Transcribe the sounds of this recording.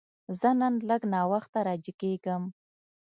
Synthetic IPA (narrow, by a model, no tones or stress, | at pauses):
zənənləɡnɑwaxt̪aɾɑd͡ʒikeɡəm